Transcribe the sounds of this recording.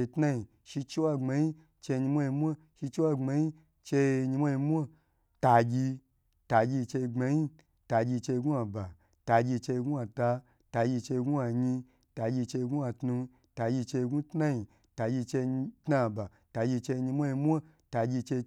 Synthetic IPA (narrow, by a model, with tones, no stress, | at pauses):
tna˦i˨ | ʃi˧t͡ʃi˦wa˧ŋ͡ma˧ɲi˦ | t͡ʃe˧ɲi˧mʷa˦i˧mʷa˦ | ʃi˧t͡ʃi˦wa˦˧ŋ͡ma˧ɲi˦ | t͡ʃe˧ɲi˧mʷ˦a˦ji˧mʷ˦a˦ | ta˧ɡʲi˧ | ta˨ɡʲi˧t͡ʃe˧ŋ͡ma˧ɲi˦ | ta˨˧ɡʲi˧t͡ʃe˧ɡu˦a˧ba˨ | ta˧ɡʲi˧t͡ʃe˧ɡu˦a˧ta˧ | ta˧ɡʲi˧t͡ʃe˧ɡu˦a˧ɲi˧ | ta˧ɡʲi˧t͡ʃe˧ɡu˦a˧tnu˧ | ta˧ɡʲi˧t͡ʃe˧ɡu˦tna˦ji˨ | ta˧ɡʲi˧t͡ʃe˧tna˧˨ba˨ | ta˧ɡʲi˧t͡ʃe˧ɲi˧mʷ˦a˦i˧mʷ˦a˦ | ta˧ɡʲi˧t͡ʃe˧